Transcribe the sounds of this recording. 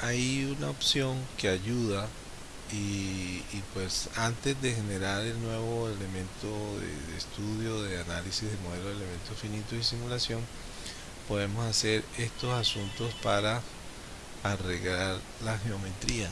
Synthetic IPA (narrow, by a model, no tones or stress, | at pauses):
ajunaopsjo̞ŋke̞aʝuða | iː | pwe̞sant̪e̞zd̪e̞xe̞ne̞ɾaɾe̞lnwe̞βo̞ele̞mẽ̞nt̪o̞ðḛðest̪uðjo̞ðe̞analisizðemo̞ð̞e̞loðele̞mẽ̞nt̪osfinit̪osisimulasjo̞ŋ | po̞ðe̞mo̞sase̞ɾe̞st̪o̞sasunt̪o̞spaɾaː | re̞ɣɾaɾ | laxe̞o̞me̞t̪ɾia